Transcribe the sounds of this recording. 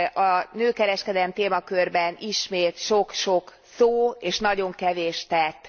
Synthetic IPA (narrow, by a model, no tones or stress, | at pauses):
ɒnøːkɛɾɛʃkɛd̪ɛlɛmt̪eːmɒkørbɛniʃmeːt̪ʃokʃo̞k | soːeːʃnɒɟo̞ŋkɛveːʃt̪ɛt̪ː